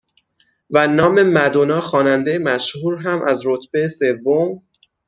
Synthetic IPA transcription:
vænɒːme̞mæd̪onɒːxɒːnænd̪ejemæʃhuːɾɦæmʔæzɾot̪ʰb̥ejese̞vːom

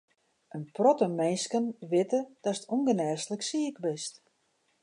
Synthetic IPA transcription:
ənprɔtəmɛnskənʋɪtəd̥ɔsətuŋɡənɛːrsləksiəkbɪst

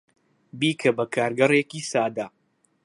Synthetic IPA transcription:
biːkʰɐbɐkʰaːɾɡɐrekiːsaːd̪a

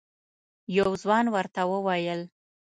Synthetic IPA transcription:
jawzwɑnwəɾt̪awəwɑjəl

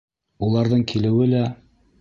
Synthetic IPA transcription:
ulˠɑɾðɤɴkʰilɘ̆wɘlæ

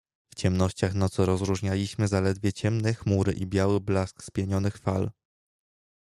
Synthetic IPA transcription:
ft͡ɕɛmnɔɕt͡ɕaxnat̪sɔɾɔzɾuʐɲalʲiɕmɘzalɛd̪vʲjɛt͡ɕɛmnɛxmuɾɘ̰ʔibʲjawɘblaskspʲjɛɲɔnɘxfal

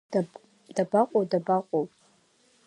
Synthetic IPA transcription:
dabaqʷʼodabaqʷʼopʼ

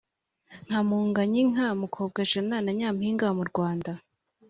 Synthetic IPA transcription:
ŋ̥amuːŋɡaɲiŋ̥amukʰoːb̚ɡaʒananaɲaːmhiːŋɡamuɾɡwaːnda

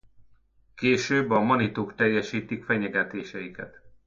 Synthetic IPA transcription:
keːʃøːbːɒmɒnit̪oːkt̪ɛjːɛʃiːt̪ikfɛɲɛɡɛt̪eːʃɛjikɛ̰t̪

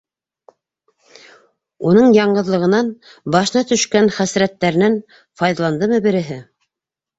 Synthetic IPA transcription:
unɤɴjɑɴɢɤ̆ðlˠɤ̆ʁɤ̆nɑnbɑʃɤ̆nɑt̪ɵ̆ʃkænχæsɾæt̪ːæɾ̆nɘn | fɑjðɑlˠɑnd̪ɤmɤbɘ̆ɾɘ̆ɦɘ

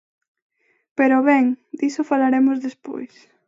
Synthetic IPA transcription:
peɾoβɛŋd̪isofalaɾemozðespo̰js

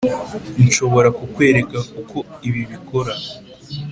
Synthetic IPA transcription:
nʃo̞βo̞ɾakukwe̞ːɾe̞kakukʰo̞iβiβiko̞ɾa

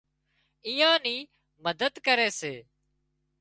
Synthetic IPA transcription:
iːãːniː | məd̪əd̪kəɾeːseː

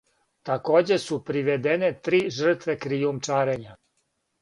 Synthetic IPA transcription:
t̪ako̞ːd͡ʑe̞supɾiʋed̪enet̪ɾiːʒr̩t̪ʋekɾijumt͡ʃaːɾeɲa

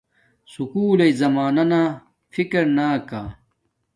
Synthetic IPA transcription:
sukuːlejzɐmaːnɐnaː | fikɐɾnaːka

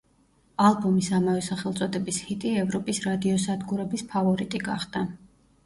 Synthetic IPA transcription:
alˠbɔmisamavɛsaχɛlˠt̪sʼɔd̪ɛbishit̪ʼiɛvɾɔpʼisɾad̪iɔsad̪ɡuɾɛbispʰavɔɾit̪ʼiɡa̰χd̪̥a

